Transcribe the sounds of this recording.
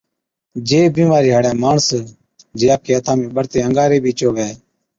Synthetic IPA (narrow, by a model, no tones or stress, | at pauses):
d͡ʒeːbĩːmaːɾiːɦəːɽjãːmaːɳs | d͡ʒeːaːkʰeːət̪ʰãːmẽːɓəɾt̪eːəŋɡaːɾeːbʱiːt͡ʃoːʋeː